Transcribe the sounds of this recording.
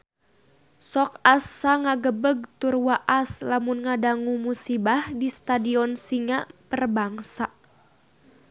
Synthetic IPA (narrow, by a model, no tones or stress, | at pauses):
sɔkasːaŋaɡəbəɡ̚t̪urwaʔaslamunŋadaŋumusibahdist̪adiɔnsiŋapərbaŋsa